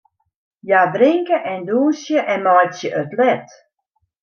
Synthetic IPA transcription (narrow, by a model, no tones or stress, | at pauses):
jabrɪŋkəʔɛnduːsjəʔɛnmɔjtsjəʔøtlɛt